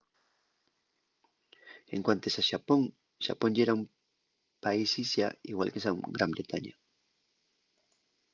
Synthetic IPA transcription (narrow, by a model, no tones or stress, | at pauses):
eŋkwant̪esaʃapo̞ŋ | ʃa̰po̞ɲd͡ʒeɾaum | paisisja̰iɣwa̰lkesaɡɾambɾet̪aɲa